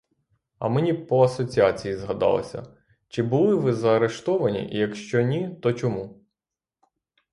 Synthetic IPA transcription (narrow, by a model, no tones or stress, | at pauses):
ɐ̰menʲipɔɐsɔt͡sʲiɑt͡sʲijizɦɐd̪ɑ̰lˠɐ̰sʲɐ̰ | t͡ʃɪbʊlˠɪʋɪzɐːɾe̞ʃt̪ɔʋɐnʲḭʔijɐkʃt͡ʃɔnʲit̪ɔt͡ʃɔmu